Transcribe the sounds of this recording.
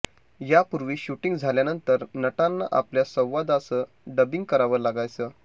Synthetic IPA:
japuɾʋiːɕuʈiŋɡd͡zʱaljanənt̪əɾnəʈanːa̰ʔapljasə̃w̃ʋad̪asəː | ɖəbiŋɡ̚kəɾaʋəɾlaɡajt͡səː

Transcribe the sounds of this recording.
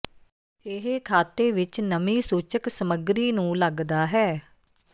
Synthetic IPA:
ɪɦkʰaːt̪eːʋɪt͡ʃnəmiːsuːt͡ʃəksəməɡɾiːnũːləɡd̪aːɦɛː

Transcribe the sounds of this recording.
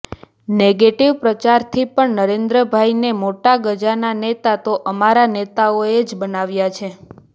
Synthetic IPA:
neɡeʈiʋpɾət͡ʃaɾt̪ʰipəɳnəɾend̪ɾəbʱajnemoʈaɡəd͡ʒananet̪at̪oʔəmaɾanet̪aoed͡ʒbənaʋjat͡ʃʰe

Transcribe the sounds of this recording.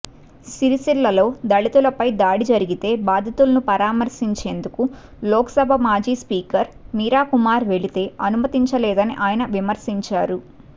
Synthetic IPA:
siɾisilːɐlo̞ːd̪ɐɭit̪ulɐpɐjd̪aːɽid͡ʒɐɾiɡit̪e̞ːbaːd̪ʱɐt̪ulɐnupɐɾaːmɐɾsiɲt͡ʃe̞ːnd̪uku | lɔːkɐ̥sɐbʱɐmaːd͡ʒiːspiːkɐɾmiːɾaːkumaːɾʋe̞ɭit̪e̞ːɐnumɐt̪iɲt͡ʃɐlɛːd̪ɐniʔaːjɐnɐʋimɐɾsiɲt͡ʃaːɾu

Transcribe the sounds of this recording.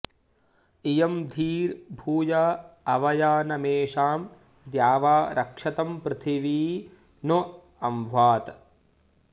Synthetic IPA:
ijɐmd̪ʱiːɾbʱuːjaɐʋɐjaːnɐmeːʂaːm | d̪jaːʋaːɾʔɐkʂɐt̪ɐmpɾɪt̪ʰiʋiː | no | ɐmʋaːt̪

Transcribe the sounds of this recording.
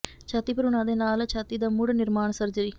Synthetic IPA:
t͡ʃʰaːt̪iːpəɾoːñãːd̪eːnaːlt͡ʃʰaːt̪iːd̪aːmʊɽnɪɾmaːɳsəɾd͡ʒəɾiː

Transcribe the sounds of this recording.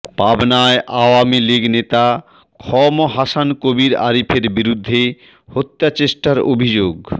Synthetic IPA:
pabnaeʔaoamiliɡnet̪a | kʰɔmoɦasankobiɾa̰ɾipʰeɾbiɾud̪ʱːe | hot̪ːat͡ɕeʃʈaɾo̰bʱid͡ʑoɡ

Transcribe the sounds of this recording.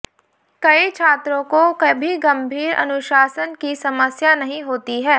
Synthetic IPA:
kɐit͡ʃʰaːt̪ɾõkokɐbʱiɡɐ̃mbʱiːɾʔɐ̰nʊʃaːsənkisɐməsjanɐɦĩɦoːt̪iɦɛː

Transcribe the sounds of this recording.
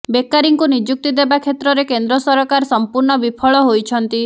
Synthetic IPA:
bekːaɾiŋkunid͡ʒuk̚t̪id̪ebakʰet̪ɾɔɾekend̪ɾɔsɔɾɔkaɾɔsɔmpuɾɳɔbipʰɔɭɔɦojt͡ʃʰɔnt̪i

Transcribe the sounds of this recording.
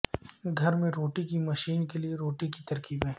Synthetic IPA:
ɡʱɐɾmẽɾoːʈikimɐʃiːnkelieɾoːʈikit̪ɐɾkiːbɦɛː

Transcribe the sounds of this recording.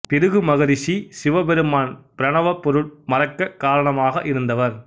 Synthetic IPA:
pɪɾɯɣɯmɐɣɐɾɪʂisɪʋɐbɛɾɯmaːnpɪɾɐɳɐʋɐpːɔɾɯɭmɐɾɐkːɐkaːɾɐɳɐmaːɣɐʔɪɾɯnd̪ɐʋɐɾ

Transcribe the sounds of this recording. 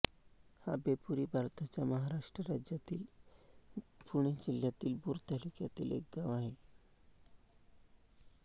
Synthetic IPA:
ha̰bepuɾiːbʱaɾt̪at͡ɕjaməɦaɾaʂʈɾəɾad͡ʑjat̪iːl | puɽ̃ed͡ʑil̤jat̪iːlbuːɾt̪alukjat̪ḭːlḛk̚ɡaʋaɦe

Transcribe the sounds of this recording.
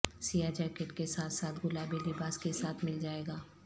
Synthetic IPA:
sijad͡ʒɛːkeʈkesaːt̪ʰsaːt̪ʰɡʊlaːbelɪbaːskesaːt̪ʰmɪld͡ʒaːeːɡaː

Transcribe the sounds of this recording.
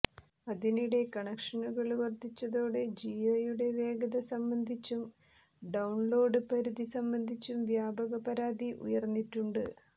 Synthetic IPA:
ɐðiniɽe̞kɐɳɐkʂɐnuɣɐɭuʋɐrd̪it͡ɕːɐðo̞ːɽed͡ʑiojuɽe̞ʋe̞ːɡɐðɐsɐmbɐnd̪ʱit͡ɕːum | ɖɐwɳlo̞ːɖɨpɐɾuðisɐmbɐnd̪ʱit͡ɕːumʋjaːbɐɣɐpɐɾaːd̪iʔṵjɐrnːiʈːuɳɖɨ

